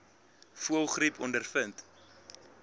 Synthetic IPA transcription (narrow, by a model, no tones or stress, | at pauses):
fuəlˠχripʰɔndərfənt